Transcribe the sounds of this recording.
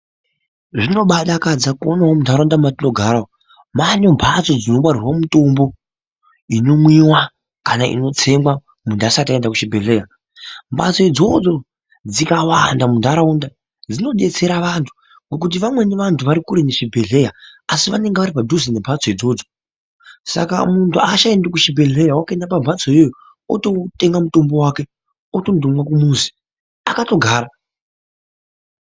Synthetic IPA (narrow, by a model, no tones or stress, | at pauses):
ʐino̞ɓaɗakad͡zakonaɦomundʱaɾaundamatino̞ɡʱaɾao | manembʰʱat͡so̞d͡zino̞ɓwarirwamuto̞mbo̞ | ino̞mwiwa | kanaʔḭno̞t͡se̞mɡwa | mundasatendakuʃibʱeɮe̞ja | mbat͡soid͡zo̞d͡zo̞ | d͡zikawandamundʱaɾaunda | d͡zino̞ɗe̞t͡se̞ɾaʋantʰu̥ | ŋɡok̬ut̬iʋamwe̞neʋantʰuʋaɾikuɾeneʃibʱe̞ɮe̞jaasiʋane̞ŋɡeʋaɾipadʱuzine̞mbʱat͡soid͡zo̞ːd͡zo̥ | sa̰ka̰muntʰuaʃaendakuʃibʱe̞ɮe̞jawakaendapambʱat͡sojojo | o̰to̞teŋɡamuto̞mbo̞waːke̞ | otondomwakumuzi̥ | akato̞ɡʱaːɾa